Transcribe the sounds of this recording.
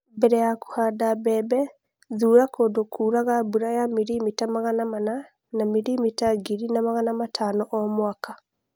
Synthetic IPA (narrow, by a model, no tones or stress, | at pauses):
bɛɾɛjaku̥hadabɛːbɛ | ðuːɾakoːdokʰuːɾaɣabuɾajamiɾimitamaɣanamana | namiɾimitaɡiɾinamaɣanamatʰaːnɔʔɔmwaka